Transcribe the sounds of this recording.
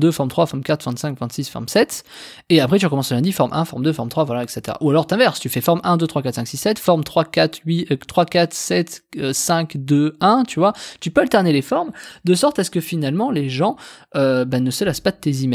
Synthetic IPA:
d̪øfɔʁmt̪χwafɔʁmkʲat̪χvɛ̃t̪sɛ̃ŋkvɛ̃t̪sisfɔ̰ʁmsɛt̪ | eapχɛt̪yʁəkɔmɑ̃sləlɛ̃d̪ifɔʁmʔɛ̃fɔʁmd̪øfɔʁmt̪χwavwalaɛkset̪eʁa̰ʔualɔʁt̪ɛ̃vɛʁst̪yfɛfɔʁmɛ̃d̪øt̪χwakat̪sɛ̃ksisːɛt̪fɔʁmt̪χwakat̪ɥit̪χwakat̪χsɛt̪øsɛ̃kd̪øɛ̃t̪yvwat̪ypøalt̪ɛʁnelefɔʁmd̪əsɔʁt̪asə̥kəfinalmɑ̃leʒɑ̃øbanəsəlaspad̪ət̪ezimɛ

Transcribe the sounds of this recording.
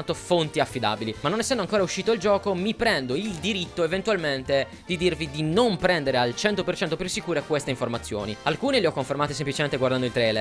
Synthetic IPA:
at̪ofont̪iafːid̪a̰ːbilimanːonɛsːɛnd̪oaŋkoːɾauʃːiːt̪odild͡ʒɔːkomipɾɛnd̪oild̪iɾit̪ːoevent̪ualment̪e | d̪id̪irvid̪inompɾɛnd̪eɾealt͡ʃɛnt̪opert͡ʃɛnt̪opirsikuːɾekwest̪eiɱformat̪sːjo̰ːnialkuːneleɔkːoɱfermaːt̪is̬emplit͡ʃement̪eɡwaɾrd̪and̪oilt̪ɾɛjler

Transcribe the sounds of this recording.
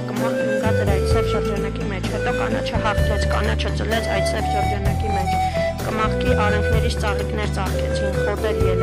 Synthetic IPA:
kəmɑχkŋkɑd̪əɾɑjt̪sɛvʃəɾd͡ʒɑnɑkimɛt͡ʃʰhɛt̪ɔkɑ̰nɑ̰t͡ʃʰɑɦɑχt̪ʰɔt͡sʰkɑ̰nɑt͡ʃʰət͡səlɛt͡sʰɑ̰jt̪sɛvʃəɾd͡ʒɑnɑkimɛt͡ʃʰ | kəmɑχkiʔɑɾɛŋkʰnɛɾit͡sʰt͡sɑʁiknɛɾt͡sɑʁkɛt͡sʰinkχɔt̪ɛɾjɛ

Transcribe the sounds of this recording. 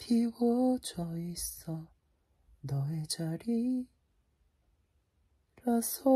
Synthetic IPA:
pʰiɡot͡ɕʌisʌ | nʌed͡ʑaɾi | ɾasʰo

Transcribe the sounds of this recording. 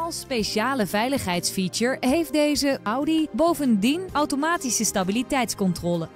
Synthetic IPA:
ɑlˠspejʃaːləvɛjləχɦɛjtsfit͡ʃəɹɦejfdejzəʔɑwdibowvəndinɑwtomaːtisəstabilitɛjtskɔntrɔːlə

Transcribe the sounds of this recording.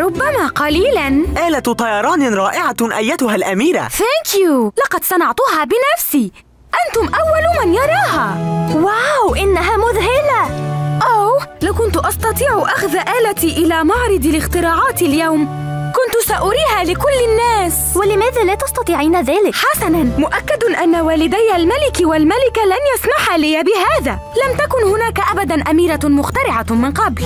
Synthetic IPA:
ɾˤʊbːamaːqɑliːlanʔaːlat̪t̪ˤɑjɑɾˤɑːnɾˤɑːʔɪʕaʔajːat̪ʊhalʔamiːɾa̰θaːŋkjulɑqɑd̪sɑnɑʕt̪ʊɦaːbɪnafsiː | ʔant̪ʊmʔawːalʊmanjɑɾˤɑːɦaːwawʔɪnːaɦaːmʊðɦɪlaʔawlawkʊnt̪ʊʔɑst̪ɑt̪ˤiːʕʊʔaxðaʔaːlat̪iːʔɪlaːmɑʕɾˤɨd̪ˤɪlɪxt̪ɪɾˤɑːʕɑːt̪ɪljawm | kʊnt̪ʊsaʔʊɾiːhaːlɪkʊlːɪnːaːs | wɪlɪmaːðaːlaːt̪ɑst̪ɑt̪ˤiːʕiːnaðaːlɪkħasananmʊʔakːad̪ʔanːawaːlɪd̪ajːalmalɪkwalmalɪkalanjasmaħalɪjabɪɦaːðaː | lamt̪akʊnhʊnaːkaʔabad̪anʔamiːɾamʊxt̪ɑɾɪʕamɪnqɑbl

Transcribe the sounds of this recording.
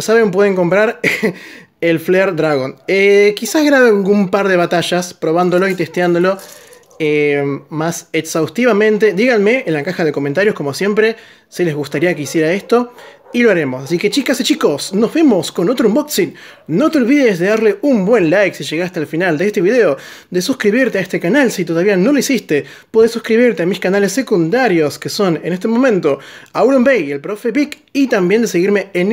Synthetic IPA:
osaβemp̬we̞ðe̞ŋko̞mpɾaɾ | elfleɾd̪ɾaɣo̞nekisazɣɾaβealɡumpaɾðe̞βat̪aʃaspɾo̞β̞and̪o̞lo̞it̪e̞st̪jand̪o̞lo̞ | emaseksawst̪iβamẽ̞nt̪e̞ðiɣanme̞ːlakaxaðe̞ko̞ment̪aɾjosko̞mo̞sje̞mpɾe̞ | sile̞zɣust̪aɾiakeisje̞ɾae̞st̪o̞ | ilo̞aɾe̞mo̞sasike̞t͡ʃikasit͡ʃiko̞sno̞zβemo̞sko̞not̪ɾoumboksit̪no̞t̪eo̞lβiðezðe̞ðaɾle̞umbwe̞nlajksiʒe̞ɣast̪ealfinald̪eest̪e̞βiðe̞o̞ | d̪e̞suskɾiβiɾt̪eaest̪ekanalsit̪o̞ð̞aβiano̞loisist̪e̞ | poðesuskɾiβiɾt̪eamiskanale̞sːe̞kund̪aɾjo̞skeso̞nenest̪emõ̞mẽ̞nt̪o̞auɾumbejelpɾo̞fe̞βik | it̪ambje̞nd̪ese̞ɣiɾme̞ːn

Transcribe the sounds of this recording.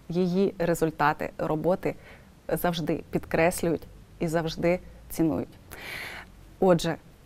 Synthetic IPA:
jijiɾezʊlʲt̪ɑt̪ɪ̰ɾɔbɔt̪ɪ | zɐwʒd̪ɪpʲid̪kɾɛsʲlʲʊjʊtʲizɐwʒd̪ɪt͡sʲinṵjʊtʲ | ɔʒɛ

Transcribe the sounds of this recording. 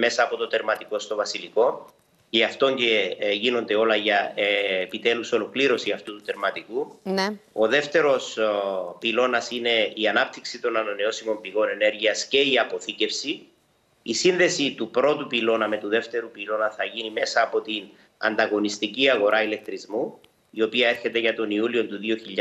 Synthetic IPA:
me̞sɐːpo̞t̪ot̪e̞ɾmɐt̪iko̞st̪o̞vɐsiliko̞ | ɐft̪o̞ɲceʝino̞nd̪e̞o̞lɐʝɐeepit̪e̞luso̞lo̞kliɾo̞siɐft̪ut̪ut̪e̞ɾmɐt̪ikuno̞ðe̞ft̪e̞ɾo̞s | pilo̞nɐsine̞iɐnɐp̚t̪iksit̪o̞nɐnɐneo̞simo̞mpiɣo̞ne̞ne̞ɾʝiɐsce̞iɐpo̞θice̞fsi | isinðe̞sit̪upɾo̞t̪upilo̞nɐme̞t̪uðe̞ft̪e̞ɾupilo̞nɐθɐʝinime̞sɐːpo̞t̪in | ɐ̰nd̪ɐɣo̞nist̪iciɐɣo̞ɾɐile̞k̚t̪ɾizmu | io̞piɐe̞ɾçe̞t̪e̞ʝɐt̪o̞niulio̞nt̪uðio̞çiʎː

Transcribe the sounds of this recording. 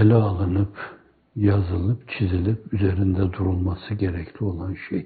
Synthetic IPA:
elʲɛalˠɯnɯp | jazɯlˠɯpt͡ʃʰizilʲipyzeɾind̪ɛd̪uɾulˠmasɯɟeɾɛcʰlʲio̞lˠanʃej

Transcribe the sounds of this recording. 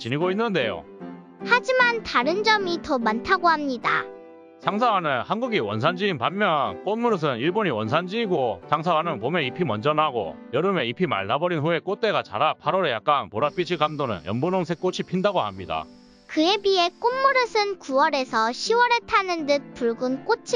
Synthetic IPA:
t͡ɕiniɡoinːɯnde̞jo̰ | had͡ʑimantaɾɯnd͡ʑʌmitʌmantʰaɡohamɲida̰ | sʰaŋsʰawanɯnhanɡuɡiwʌnsʰand͡ʑiːnpanːjʌnk͈onmuɾɯs̬ʰɯniɭboɲiwʌnsʰand͡ʑiːɡosʰaŋsʰawanɯnpomeipʰimʌnd͡ʑʌnɦaɡo̰jʌɾɯme̞ipʰima̰ɭnabʌɾinɸue̞k͈ot͈e̞ɡat͡ɕa̰ɾapʰaɾʌɾejak̚k͈anpoɾap͈id͡ʑʰiɭɡamdonɯ̰njʌnbononsʰe̞k͈ot͡ɕʰipʰindaɡoamɲida̰ | kɯe̞bie̞k͈onmuɾɯsʰɯnkuwʌɾe̞sʰʌɕʰiwʌɾe̞tʰanɯndɯt̚p͈uɭɡunk͈ot͡ɕʰi

